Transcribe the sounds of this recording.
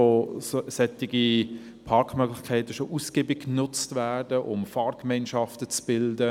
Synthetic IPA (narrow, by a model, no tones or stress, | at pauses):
ossɛtɪɡi | pʰɑɾkʰmœɡlɪxkʰɛɪtəʃoʔusɡ̥eːbɪkːnʊt͡stvæːdəʔʊmfɑːrkmɛɪnʃɑftət͡sb̥ɪldə